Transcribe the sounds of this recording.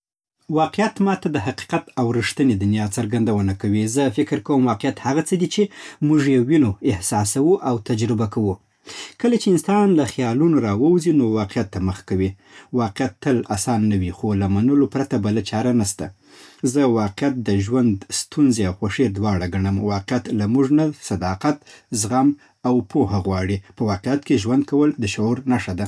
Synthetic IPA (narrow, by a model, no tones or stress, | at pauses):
wɑqijat̪mɑt̪ad̪əɦaqi̥qat̪awɾiʂt̪əned̪anjɑt͡saɾɡand̪awənakawizəfɪkɾkawəmwɑqejat̪haɣat͡səd̪it͡ʃemuʐjewinoɪhsɑsawuʔawt̪ad͡ʒɾɪbakawu | kəlat͡ʃeɪnsɑnlaxjɑlunoɾɑwəwzinowɑqijat̪ːaməxkawi | wɑqjat̪ːəlasɑnːawixolamanəlopɾat̪abalat͡ʃɑɾanast̪a | zəwɑqɪjat̪̚d̪əʒwand̪st̪unzeawxaʂed̪wɑɽaɡaɳəmwɑqjat̪lamuʐnasad̪ɑqat̪zɣam | awpohaɣwɑɽipəwɑqejat̪̚keʒwand̪̚kawəld̪əʃaoɾnaʂad̪a